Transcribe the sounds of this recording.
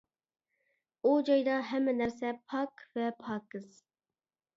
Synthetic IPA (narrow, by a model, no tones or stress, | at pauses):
ud͡ʒɑjd̪ɑɦɛmːɪnæɾsɛpʰɑkvɛpʰɑkɨz̥